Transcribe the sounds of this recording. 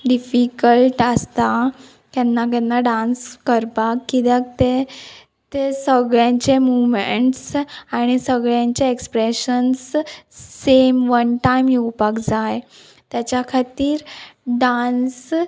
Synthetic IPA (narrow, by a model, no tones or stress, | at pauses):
ɖifikəlʈəst̪a | kjanːakjanːaɖãnskəɾpakːid̪ak̚t̪e | t̪esəɡɭjãɲt͡ɕemumeɳʈsaɽ̃isəɡɭjãɲt͡ɕeekspɾeɕənsː | emʋənʈajmjuwpakd͡zaj | t̪jat͡ɕjakʰat̪iːɾɖans